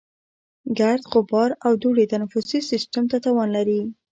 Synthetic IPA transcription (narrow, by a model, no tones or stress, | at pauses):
ɡaɾd̪ɣʊbɑɾawd̪uɽet̪anafʊsisɪsʈamt̪at̪ɑwɑnlaɾi